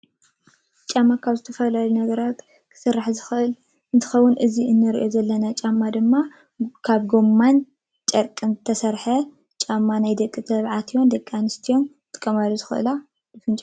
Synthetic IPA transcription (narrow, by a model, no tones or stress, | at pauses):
t͡ʃʼamːakʰaβzɨt̪ʰɐfɐlalunɐɡɐɾat̪ | kʰɨ̥sɨrːaħzɨxɨʔɨl | ɨnt̪ʰɨ̥xɐwːʊnʔɨziʔɨnːɨɾiʔo̞zɐlːɐnat͡ʃʼamːad̪ɨmːa | kʰaβɡo̞mːan | t͡ʃʼɐɾkʼɨnɨt̪ʰɐsɐɾħɐ | t͡ʃʼamːanajd̪ɐkʼːɨt̪ʰɐβʕat̪ʰijwond̪ɐkʼːanɨst̪ʰijo̞n | t̪ʼɨ̥kʼːɐmaluzɨxɨʔɨ̰la | dɨfɨnt͡ʃʼa